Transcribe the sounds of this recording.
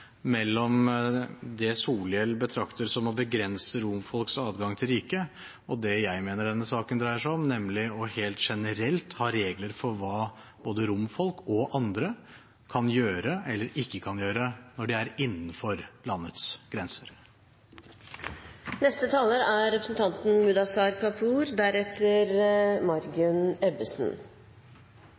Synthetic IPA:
mɛlːɔm | d̪ɛsuːlɪɛlbət̪ʰɾɑkt̪əɾsɔmɔbəɡɾɛnsəɾʊmfɔlksɑːd̪ɡɑŋt̪ʰɪlɾiːkə | ɔd̪ɛjæɪmeːnəɖɛnːəsɑːkənd̪ɾæɪəʂæɪɔmnɛmlɪɔheːlt̪ʂɛnəɾɛlt̪hɑɾeːɡləɾfɔɾʋɑː | b̥oːd̪əɾʊmfɔlkɔʔɑnd̪ɾə | kʰɑnjøːɾəɛlːəɾɪkːəkʰɑnjøːɾənɔɖɪæɾɪnːn̩fɔɾlɑnːət̪sɡ̥ɾɛnsəɾ | nɛst̪ət̪ʰɑːləɾæɾɛpɾəsn̩t̪ʰɑnt̪n̩mʉd̪ɑsɑɾkɑpʰuːɾd̪æɾɛt̪ʰəɾmɑɾɡʉnɛbəsn̩

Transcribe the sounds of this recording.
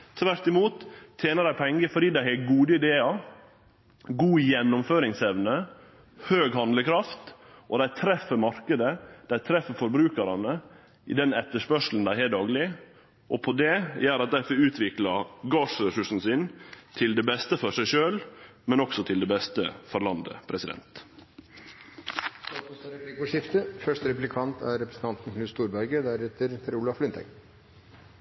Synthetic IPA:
t̪ʰʋæɾt̪ɪmuːt̪ʰːjeːnəɾd̪æɪpʰɛŋɡəfɔɖiːd̪æɪhɛɡuːd̪əɪd̪eːɑ | ɡuːjɛnːʊmføːɾɪŋsɛʋnə | høːɡɦɑnd̪ləkʰɾɑft̪ | ʔɔd̪æɪt̪ʰɾɛfːəɾmɑɾkəd̪əd̪̥æɪt̪ʰɾɛfəɾfɔɾbɾʉːkɑɾɑnə | ɪ̰d̪ɛnɛt̪ːəʂpœʂln̩d̪æɪhɛːd̪ɑːɡlɪ | ʔɔpʰɔd̪ɛjæːɾɑt̪̚d̪æfəʉːt̪ʰʋɪklɑɡɑːʂɾɛsʉʂn̩sɪnt̪ʰɪld̪ɛːbɛst̪əfɔɾsæɪʃøːlmɛnɔksɔt̪ʰɪld̪ɛːbɛst̪ə̰fɔɾlɑnd̪ə̰pʰɾɛsɪd̪ɛ̰nt̪ | ɾɛplɪkʊʂɪft̪əfœʂtəɾɛplɪkʰɑnt̪ʰæɾɾɛpɾəsn̩t̪ɑnt̪n̩kʰnʉːst̪uːɾbæɾɡəd̪æɾɛt̪əɾɾʊlɑflʏnt̪ʰæ̰ɡ

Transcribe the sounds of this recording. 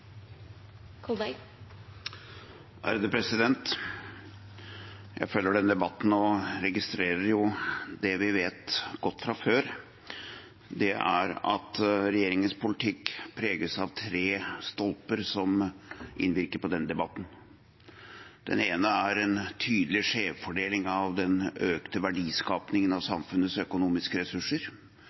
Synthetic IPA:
kʰɔ | ʔæ̰ɾəd̪əpʰɾɛsɪd̪ɛnt̪ | jæ̰ɪfœlːəɖɛnəd̪ɛbɑt̪ːn̩ɔɾɛɡɪst̪ɾeːɾəɾjʊd̪ɛʋɪʋeːt̪ɡ̥ɔt̪ːfɾɑføːɾ | d̪ɛæ̰ɾɑ̰t̪ɾɛjeːɾɪŋənspʊlɪt̪ʰɪkpʰɾeːɡəsɑʋt̪ʰɾeːst̪ɔlpəɾsɔmʔɪ̰nʋɪɾkəɾpɔd̪ɛnəd̪ɛbɑt̪ːn̩ | d̪̥ɛ̰neːnəæɾɛnt̪ʰyːd̪əlɪʂeːʋfɔɖeːlɪŋɑʋd̪ɛnøːkt̪əʋæɖiːskɑːpnɪŋənɑʋsɑmfʉnːəsœkʊnuːmɪskəɾɛsʉʂːəɾ

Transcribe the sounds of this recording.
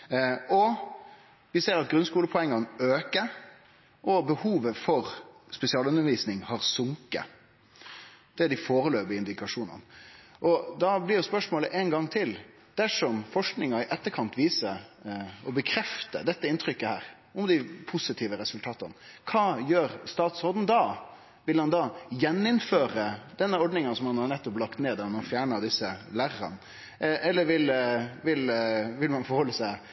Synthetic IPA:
ɔ | ʋɪseːɾɑt̪̚ɡɾʉnskuːləpʰʊɛŋːɑnøːkə | ʔɔbəhuːʋəfɔɾspɛsɪɑːlʉnːəɾʋiːsnɪŋhɑʁsʊŋkə̰ | d̪̥ɛd̪ɪfoːɾəløːbɪɪnd̪ɪkɑʂuːnɑ̰nʔɔd̪ɑblɪjʊspœʂmoːləʔɛnɡɑŋːt̪ʰɪl | d̪̥æʂɔmfɔʂknɪŋɑɪʔɛt̪ːəkʰɑnt̪ʋiːsəɾɔbəkʰɾɛft̪ə̰d̪ɛt̪ːəɪnt̪ʰɾʏkːəhæ̰ːɾ | ɔmd̪ɪpʰʊsɪt̪ʰiːʋəɾɛsʉlt̪ʰɑːt̪ɑnəkʰɑːjøːɾst̪ɑːt̪sɔɾd̪n̩d̪ɑ | ʋɪlhɑnd̪ɑːjɛnːɪnføːɾəd̪̥ɛnːəɔɖnɪŋənsɔmhɑnhɑnɛt̪ːɔplɑkt̪neːd̪ɑnɑnfjæːɳəɾd̪ɪsːəlæɾːɑ̰n | ʔɛlːəɾʋɪlʋɪlʋɪlmɑnfɔɾhɔlːəsæɪ

